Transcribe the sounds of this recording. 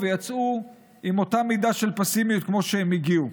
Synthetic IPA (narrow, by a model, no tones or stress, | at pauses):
vejat͡su | ʔimo̞tamid̪aʃelpasimijut̪̚kmo̞ʃeemiɡiu